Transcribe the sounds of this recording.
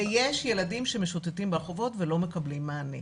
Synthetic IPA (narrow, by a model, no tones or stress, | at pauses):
jeʃje̞ladimʃe̞meʃotetimbaʁχovo̞tvelo̞me̞kɐblimːaːnḭ